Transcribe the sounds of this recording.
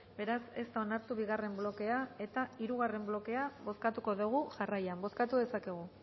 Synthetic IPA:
be̞ɾase̞st̪ao̞naɾt̪uβ̞iɣ̞are̞mblo̞ke̞ae̞t̪aiɾuɣ̞are̞mblo̞ke̞aβo̞skat̪uko̞ðuɣ̞uʝarajambo̞skat̪uðe̞sake̞ɣ̞u

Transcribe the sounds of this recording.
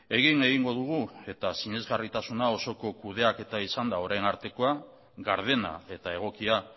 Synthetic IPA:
e̞ɣiŋe̞ɣiŋɡo̞ð̞uɣ̞ue̞t̪asiɲe̞zɣarit̪asunao̞so̞ko̞kuð̞e̞ake̞t̪aisand̪ao̞ɾajnaɾt̪e̞ko̞a | ɡaɾð̞e̞na̰e̞t̪ae̞ɣ̞o̞kia

